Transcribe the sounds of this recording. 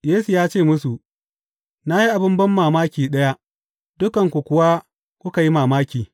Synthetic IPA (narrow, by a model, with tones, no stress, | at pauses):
jeː˦su˨jaː˦t͡ʃeː˦˨mʊ˦su˨ʔ | na˦ji˦ʔa˨bɪ˦mbɐ˦mːaː˨maː˦kʲiː˨ɗɐ˦ja˦ | d̥ʊ˦kɐ˨ŋkʷu˨kʷʊ˨wa˦ | kʷʊ˦ka˨ji˦maː˨maː˦kʲiː˨